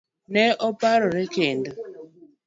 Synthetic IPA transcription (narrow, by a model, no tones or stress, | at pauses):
nɛʔɔpaɾɔɾekendɔ